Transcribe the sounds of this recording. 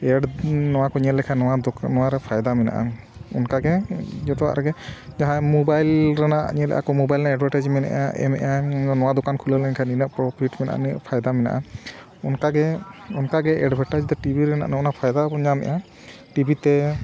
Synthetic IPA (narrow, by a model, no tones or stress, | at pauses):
ɛɖnɔwakɔɲɛlɛkʰanɔwanɔwaɾɛpʰajd̪amɛna̰ʔa̰ | ɔ̰nkaɡɛd͡ʒɔt̪ɔa̰ɾɡɛd͡ʒaɦãmɔbajlɾanaʔɲɛlɛ̰ʔa̰kɔmɔbajlɛnɛɖbʱaʈad͡ʒmɛna̰ʔaʔɛ̰mɛ̰ʔanɔwad̪ɔkankʰuləlɛnkʰaninəʔpɾɔpʰiʈmɛna̰ʔa̰niʔpʰajd̪amɛna̰ʔa | ɔnkaɡɛɔnkaɡɛʔɛɖbʱaʈad͡ʒt̪ɛʈibʱiɾɛna̰ʔnɛɔnapʰajd̪aɔɲamɛ̰ʔa | ʈibʱit̪ɛ